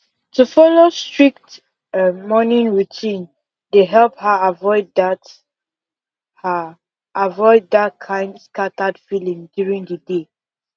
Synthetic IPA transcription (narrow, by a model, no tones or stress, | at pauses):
tufɔlostɹik̚t | mɔnĩnɹutʰĩn | deɦɛlˠphəavɔɪdat | ha | avɔɪddat̚kʰãɪ̃ndskatadfilĩmdjuɹĩŋdəde